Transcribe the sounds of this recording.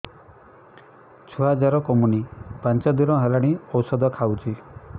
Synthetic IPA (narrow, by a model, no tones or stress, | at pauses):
t͡ʃʰɔɦad͡ʒaɾɔkɔmunipant͡ʃɔd̪iɾɔɦelaɽ̃iɔwsɔd̪ɔkʰawt͡ʃʰi